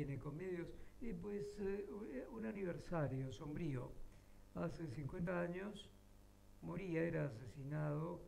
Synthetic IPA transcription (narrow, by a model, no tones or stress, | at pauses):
enekomeðjosipwes | unaniβ̞eɾsaɾjoso̞mbɾio̰ | asesiŋkwe̞nt̪aaɲos | moɾiaeɾaːs̬e̞sinaðo